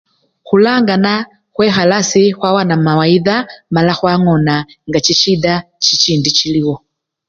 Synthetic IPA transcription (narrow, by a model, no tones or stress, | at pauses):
xulaŋɡana | xwɛxalasixwawanamawaiðamalaxwaŋɔnaŋɡat͡ʃit͡ʃiɗa | t͡ʃit͡ʃindit͡ʃiliwɔ